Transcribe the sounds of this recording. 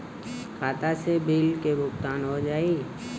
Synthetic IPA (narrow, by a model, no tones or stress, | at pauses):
kʰaːt̪asebiːlkebʱʊkt̪aːnɦod͡ʒaːi